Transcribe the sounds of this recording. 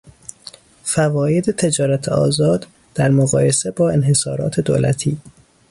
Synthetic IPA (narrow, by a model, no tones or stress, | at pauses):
fævɒːje̞d̪et̪ʰe̞d͡ʒɒːɾæt̪ʰeʔɒ̰ːzɒːd̪ | d̪̥æɾmoɣɒːje̞se̞bɒːe̞nɦe̞sɒːɾɒ̰ːt̪ʰe̞d̪o̰ːlæ̰t̪ʰiː